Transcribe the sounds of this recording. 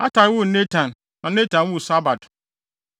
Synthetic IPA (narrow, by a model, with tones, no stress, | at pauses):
a˦ta˨˦wʊ˦ne˦tʰã˨n | nã˨˦ne˦tʰã˨n˦wʊ˦˨sa˦ba˨d